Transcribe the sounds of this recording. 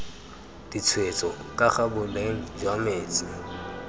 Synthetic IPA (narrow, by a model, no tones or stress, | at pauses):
d̥it͡sʰwet͡sʼɔkʼaχabʊleŋ̩d͡ʒwameːt͡sʼi